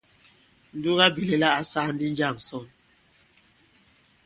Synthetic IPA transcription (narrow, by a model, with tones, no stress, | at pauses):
n̩˨du˦ɣa˦bi˨le˦la˦a˨sa˦n̩˦di˦n˦d͡ʒa˦˨ŋ˨sɔ˦˨ŋ